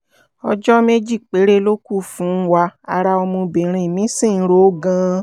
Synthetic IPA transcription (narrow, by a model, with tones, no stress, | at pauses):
ɔ̰˧d͡ʒɔ˦me˦d͡ʒi˦˨k͡pe˨˦ɾe˦lo˦ku˦˨fũ˨˦wa˧a˧ɾa˧o˧mũ˧bĩ˨ɾ̃ĩ˧˨mĩ˨˦sĩ˦˨n̩˦ɾo˦ɡã˧˦